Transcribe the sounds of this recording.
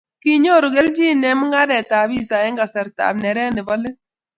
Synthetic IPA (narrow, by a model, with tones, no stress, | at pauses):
ki˦ɲo˦˨ɾu˨ɡe˦ld͡ʒi˦˨nɛ˨˦mu˦ŋa˦ɾɛ˨ta˨bi˦sa˨jɛ˦ŋɡa˨sɛ˨ɾta̰˨bnɛ˨ɾɛ˦nɪ˨bɔ˦lɪ˦